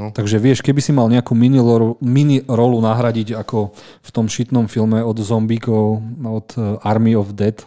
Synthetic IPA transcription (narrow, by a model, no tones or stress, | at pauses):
t̪aɡʒɛʋɪɛʃkɛbisimalɲɛakuːminiminiɾɔlunaɦɾaɟiɟakɔ | ft̪ɔmʃit̪nɔmfilmɛɔd̪zɔmbiːkɔʊɔd̪aɾmiɔvd̪ɛt̪